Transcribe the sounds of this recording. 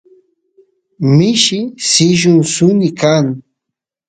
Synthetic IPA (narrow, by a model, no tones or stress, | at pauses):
mɪʃɪsɪʒʊŋsʊnɪkaŋ